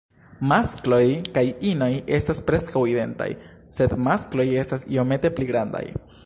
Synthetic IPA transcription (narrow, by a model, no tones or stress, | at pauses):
masklo̞jkajino̞je̞staspɾe̞skawide̞nta̰j | se̞d̪masklo̞je̞stasio̞me̞te̞pliɡɾanda̰j